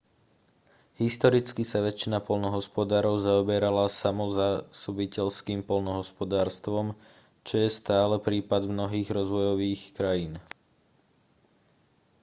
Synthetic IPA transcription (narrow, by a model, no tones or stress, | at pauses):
ɦist̪ɔɾit͡skisaʋɛt͡ʃinapɔlnɔɦɔspɔd̪aːɾɔʊzaɔbɛɾalasamɔzasubicɛʎskiːmpɔlnɔɦɔspɔd̪aːɾst̪ʋɔm | t͡ʃɔjɛst̪aːlɛpɾiːpad̪mnɔɦiːɣɾɔzʋɔjɔʋiːxkɾajiːn